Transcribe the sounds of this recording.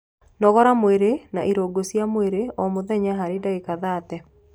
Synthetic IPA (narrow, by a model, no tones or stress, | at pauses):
nɔɣɔɾamweɾenaʔiɾoɡosjamweɾeɔmoðɛɲaɦaɾedaekaðaːtɛ